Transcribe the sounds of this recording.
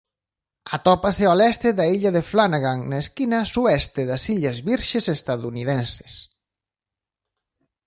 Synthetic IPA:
at̪ɔpasealɛst̪eðaiʎaðeflanaɣaŋnaeskinasuɛst̪eðasiʎazβiɾʃesest̪aðunið̞ɛnse̥s

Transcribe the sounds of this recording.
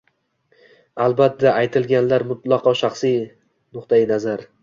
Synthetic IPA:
alˠbat̪ːaʔajt̪ʰɪlɡʲanlaɾmʊt̪lˠɑqʰɒʃɑχsi | nʊqt̪ʰajɪnazaɾ

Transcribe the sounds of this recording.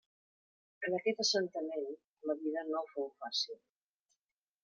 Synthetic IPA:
ənəkɛt̪əsənt̪əmen | ləβiðənowfowfasilˠ

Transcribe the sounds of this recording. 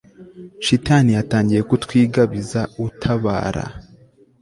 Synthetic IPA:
ʃitaːnijataːɲɟije̞kutwiːɡaβizautʰaβa̰ːɾa̰

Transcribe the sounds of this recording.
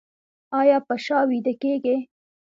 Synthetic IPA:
ɑjɑpəʃɑwid̪əkeɡe

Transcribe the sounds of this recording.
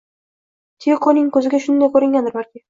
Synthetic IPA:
t̪ʰeqʰonɪŋkʰɵzɪɡʲaʃʊnd̪ajkʰɵɾɪŋʲand̪ɪɾbaɾkʲɪ

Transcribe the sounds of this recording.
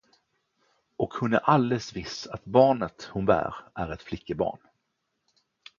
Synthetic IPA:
ʔɔkhʊnɛʔald̪ɛsvɪsat̪bɑːɳət̪hʊnbæ̰ːɾʔæɾɛt̪flɪkːəbɑ̰ːɳ

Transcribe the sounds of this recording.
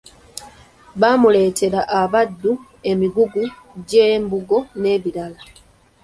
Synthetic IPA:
βamule̞ːtʰe̞ɾaʔaβad̪ːu | e̞miɡuɡu | ɟe̞ːmbuɡo̞ne̞ːβiɾala

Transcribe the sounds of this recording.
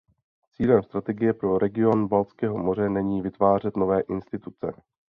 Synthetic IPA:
t͡siːlɛmst̪ɾat̪ɛɡɪjɛpɾo̞ɾʔɛɡɪo̞nbalt͡skɛːɦo̞mo̞r̝ɛnɛɲiːvɪt̪vaːr̝ɛt̪novɛːʔɪnst̪ɪt̪ut͡sɛ̰

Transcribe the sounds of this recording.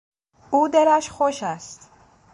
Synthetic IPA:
uːd̪eɾæʃxoʃæst̪

